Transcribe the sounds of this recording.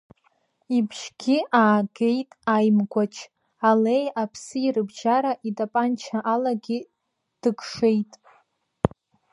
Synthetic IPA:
ibʒɡʲiʔaːɡe̞jtʼajmɡʷat͡ʃʰ | ale̞japʰsɨirɨbʒaɾaʔidʼapʼant͡ʃʰaʔalaɡʲi | d̥ɨkʰʼʂejtʼ

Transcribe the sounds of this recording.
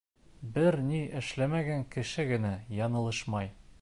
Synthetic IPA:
bɘɾniʔɘ̆ʃlæmæɡæŋkɘ̆ʃɘɡɘ̆næjɒnɤ̆lˠɤʃmɑj

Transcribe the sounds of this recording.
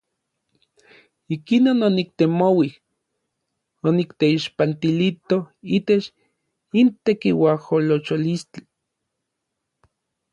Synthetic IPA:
ikinononik̚t̪emowih | onikt̪eiʃpant̪ilit̪ohiːt̪et͡ʃ | int̪ekiwaholot͡ʃolist͡ɬi̥

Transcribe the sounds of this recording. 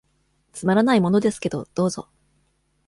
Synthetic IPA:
t͡sɨmaɾanaimo̞no̞d̪e̞sɨ̥ke̞d̪o̞̰d̪̥o̞ːzo̞̰

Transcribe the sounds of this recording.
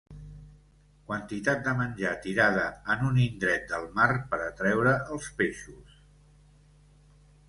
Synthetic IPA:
kwənt̪it̪at̪̚d̪əmənʲʒat̪iɾað̞əənunind̪ɾɛt̪̚d̪əlˠmarpəɾət̪ɾɛwɾəʔəlˠspeʃus

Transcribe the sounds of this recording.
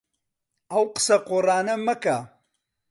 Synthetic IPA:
ɐwqə̥sɐqoraːnɐmɐka

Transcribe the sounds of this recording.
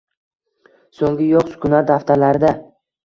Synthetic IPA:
soŋʲɪjɒqsʊ̥kʲʰʊnat̪̚d̪aft̪ʰalaɾɪd̪a

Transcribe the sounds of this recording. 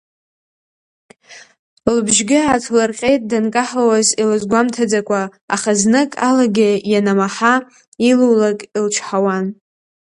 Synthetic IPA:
lbʒɡʲɪatʰlarqʲʼe̞jtʼdankʼaħlawazilazɡʷamtʰad͡zakʷʰʼa̰ːχaznɨkʼa̰laɡʲɪjanamaħa | iluwlakʼilt͡ʃʰħawan

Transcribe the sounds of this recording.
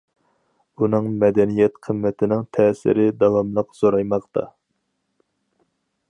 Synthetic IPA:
unɨŋmɛd̪ɛnijɛt̪qʰəmːɛt̪ʰɪnɪŋt̪ʰɛːsɪ̰ɾɪd̪ɑwɑmlˠəqz̥oɾɑjmɑqt̪ʰɑ̰

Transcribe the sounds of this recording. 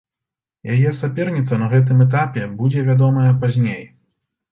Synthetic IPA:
jajɛsapʲɛrnʲit̪sɐnɐɣɛt̪̬ɨmɛt̪̬apʲɛbud͡zʲɛvʲad̪ɔmɐjɛpazʲnʲej

